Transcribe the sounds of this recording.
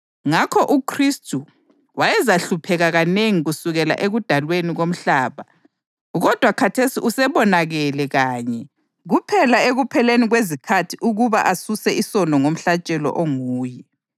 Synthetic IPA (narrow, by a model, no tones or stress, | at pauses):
ŋakʰɔʔukʰristʰʼu | wajɛzaɬupʰɛɣaɣaneŋiɣusuɣɛla̰ʔeɣud̥ʱalweniɣom̩ɬaːβa | ɣɔd̥ʱwakʰatʰesiʔusɛβɔnaɣɛlɛɣaːɲɛ | ɣupʰɛlaeɣupʰɛleniɣwezikʰatʰiʔuɣuβa̰ʔasusɛʔisɔndɔŋom̩ɬat͡ʃʼɛlɔ̰ʔoŋuːjɛ